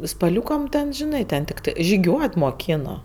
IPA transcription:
spɐˈlʲuːkɐm tʲɛn ʒʲɪˈnɐɪ tʲɛn tʲɪkˈtɐɪ ʒʲɪˈɡʲuɔt moːˈkʲɪnoː

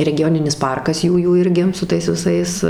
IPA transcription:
rʲɛɡʲɪˈjoːnʲɪnʲɪs ˈpɐrkɐs ˈjuːjuː ˈɪrʲɡʲɪ sʊ ˈtɐɪs ʋʲɪˈsɐɪs

